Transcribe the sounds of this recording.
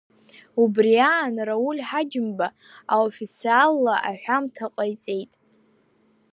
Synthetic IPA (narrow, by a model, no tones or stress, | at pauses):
ubriaːnraulʲħad͡ʒɪmba | aofit͡sʰialːaʔa̰ħʷᶣamtʰaqʼajt͡sʼe̞jtʼ